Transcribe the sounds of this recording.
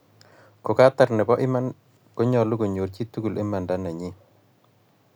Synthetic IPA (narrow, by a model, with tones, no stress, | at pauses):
ko˨ka˦ta˨ɾnɛ˨bɔ˦ʔɪ˦ma˦n | ko˦ɲɔ˨lʊ˦ko˨ɲo˨ɾt͡ʃi˦tu˦ku˨lʔe˦ma˨nda˦na˨ɲɪ˦